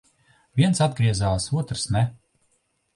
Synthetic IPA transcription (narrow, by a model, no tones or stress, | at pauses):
vʲiɛnsad̪̚ɡɾiɛzaːsuɔt̪ɾsnɛ